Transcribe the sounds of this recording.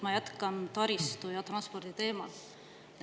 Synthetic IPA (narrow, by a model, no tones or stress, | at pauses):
mɑjæt̪kɑnt̪ɑɾist̪ujɑt̪rɑnspo̞rd̪̥it̪e̞ːmɑ̰l